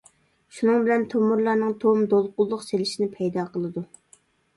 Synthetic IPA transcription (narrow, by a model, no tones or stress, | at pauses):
ʃunɨŋbɪlɛnt̪ʰomːuɾlˠɑɾnɨŋt̪ʰomd̪olˠqʊlˠːʊqselɪʃinɪpʰɛjd̪ɑːqʰəlˠɨd̪u